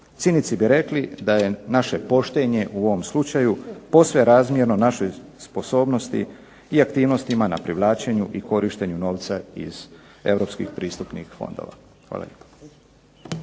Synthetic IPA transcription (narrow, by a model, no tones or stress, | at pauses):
t̪sinit̪sibiɾe̞klid̪aje̞naʃe̞po̞ʃt̪e̞ɲe̞ʔuo̞ʋo̞mslut͡ʃajupo̞sʋe̞ɾaːzmjeɾno̞naʃojspo̞so̞ːbno̞st̪ḭ | iakt̪iːʋno̞st̪imanapɾiʋlˠaːt͡ʃe̞ɲuʔiko̞ɾiʃt̪e̞ɲuno̞ːʋt̪saḭz | e̞̰ʋɾo̞pskḭxpɾiːst̪upnixfo̞̰nd̪o̰ʋa̰ | xʋa̰ːla̰ʎepḁ